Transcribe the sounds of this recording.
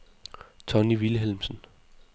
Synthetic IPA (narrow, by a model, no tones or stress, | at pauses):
t͡sʰɒ̽niʋiləɦelmsən